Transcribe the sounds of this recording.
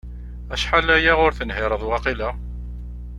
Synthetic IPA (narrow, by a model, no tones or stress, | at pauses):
æʃħalæjæʁʊɾθənɦɪɾˤəðˤwɑqilæ